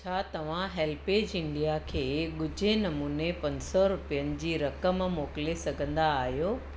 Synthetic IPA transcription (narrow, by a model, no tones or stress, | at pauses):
t͡ɕʰaːt̪ɐʋ̤ãɦeːlpeːd͡ʑɪ̃ɳɖdijakʰeːɠʊd͡ʑʱenɐmuːnepɐ̃ɲsɔɾʊpijənɪ̆d͡ʑiːɾɐkəmmoːkɪlesɐɡʱə̃nd̪aːɦijoː